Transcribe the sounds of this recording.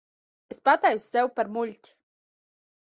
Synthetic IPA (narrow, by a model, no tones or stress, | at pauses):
ɛspat̪ajwsɛwpɛɾmulʲtʲ